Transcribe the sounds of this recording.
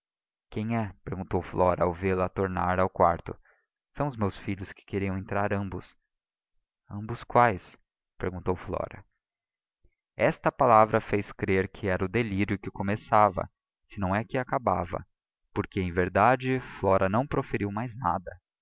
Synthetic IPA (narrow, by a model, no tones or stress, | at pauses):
kẽj̃ɛpeɾɡũnt̪owflɔɾɐawvelɐt̪oɾnaɾawkwa̰ɾt̪ʊ̰ | sɐ̃w̃ʊzmewsfiʎʊskɪ̥keɾiɐ̃w̃ẽnt̪ɾaɾɐ̃mbʊs | ɐ̃mbʊskwajs | peɾɡũnt̪owflɔ̰ɾɐ̰ | ɛst̪ɐpalavɾɐfejskɾeɾkʰɪɛɾɐʊd̪eliɾjʊkɪkomesavɐ̰ | sɪnɐ̃w̃ɛkɪakaba̰vɐ̰ | poɾkɪẽj̃veɾd̪ad͡ʒɪflɔɾʔɐnɐ̃w̃pɾofeɾiwmajzna̰d̪ɐ